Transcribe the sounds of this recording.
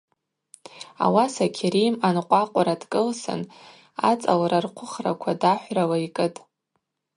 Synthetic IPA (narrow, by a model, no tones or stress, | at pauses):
a̰wasakʲʰeɾijmanqʷʼaqʷʼaɾadkʼɨlsɨ̰n | a̰t͡sʼalrarqʷʰʊχra̰kʷʰadaħʷralaikʼɨtʼ